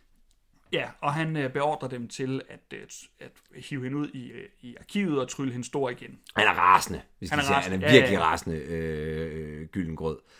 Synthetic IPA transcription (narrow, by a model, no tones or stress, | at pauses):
jæɒ̽ɦænb̥e̝ɒ̰ːd̥ʁɐd̥emt͡sʰe̝læd̥æd̥hiːʊhe̝nuð̞̰ˠiiɑ̈kʰḭːʊð̩ˠɒ̽t͡sʰʁyləɦe̝nsd̥o̝ɐ̰iɡ̥enhænæɐʁɑ̈ːsnəʋe̝sdæ̥næɐhænæɐiɐɡliʁɑ̰̈ːsnəø | ɡ̥yln̩ɡ̥ʁɔð̰ˠ